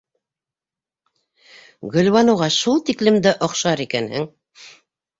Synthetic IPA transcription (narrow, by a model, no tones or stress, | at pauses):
ɡɵ̆lwɑnɤ̆wʁɑʃulˠt̪iklɘ̆md̪ɘʔŏqʃɑɾikænhɘŋ